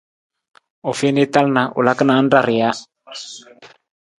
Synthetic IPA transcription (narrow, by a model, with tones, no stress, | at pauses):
ɔ˨fe˦ne˦t̪a˦lna˨ʔʊ̰˨la˦kə˦na˨˦nda˦˨ɾɪ˨ja˦